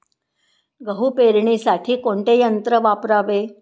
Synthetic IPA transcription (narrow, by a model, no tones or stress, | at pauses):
ɡəɦupeɾɳisaʈʰiːkoɳʈ̪ejənt̪ɾəʋapɾaʋe